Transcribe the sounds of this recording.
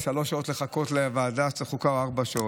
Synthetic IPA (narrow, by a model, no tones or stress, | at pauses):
ʃalo̞sʃao̞t̪leχako̞t̪leavaːdat͡seχukaoaʁbaʃao